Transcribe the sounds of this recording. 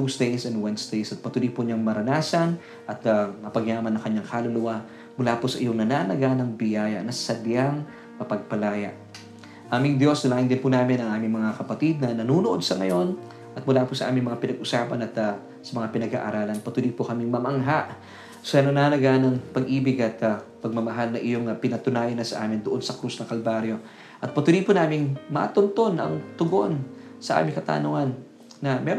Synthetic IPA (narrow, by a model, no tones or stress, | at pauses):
t̪usd̪ɛjsɛnwɛnsd̪ɛjsɐt̪̚pɐt̪ulipʊɲaŋmɐɾɐnaːsɐn | ʔɐt̪̚ɐmɐpɐɡjaːmɐnːɐŋkɐɲːaŋkalʊlʊwa | mʊlapʊsɐʔɪjoŋnɐnanɐɡanɐŋbɪjaːjɐ̰nɐsɐd̪jaŋ | mɐpɐɡ̚pɐlaːjɐ̰ʔ | ʔaːmɪŋd̪jo̞snɐlaːʔɪnd̪ɪnpunaːmɪnɐŋʔaːmɪŋmɐŋakɐpɐt̪id̪̚nɐnɐnuːnʊʔo̞d̪̚sɐŋɐjo̞n | ʔɐt̪̚mʊlaːpʊsɐʔaːmɪŋmɐŋapɪnɐɡ̚ʔʊsaːpɐnɐt̪ | sɐmɐŋapɪnɐɡha̰ːʔɐ̰ɾaːlɐnpɐt̪uːlipokɐmɪŋmɐmʔɐŋɦaʔ | sɐnɐnaːnɐɡanɐŋpɐɡʔiːbɪɡɐt̪ɐpɐɡ̚mɐmɐɦalnɐʔɪjo̞ŋɐpɪnɐt̪ʊnaːjɐnːɐsɐʔa̰ːmɪnd̪oʔo̞nsɐkɾusnɐŋkɐlbaːɾjo̞ | ʔɐt̪̚pɐt̪ulipʊnaːmɪŋma̰t̪ont̪o̞nʔɐ̰ŋt̪ʊɡo̞n | sɐʔa̰ːmɪŋkɐt̪a̰ːnʊŋanː | ɐmɛɾ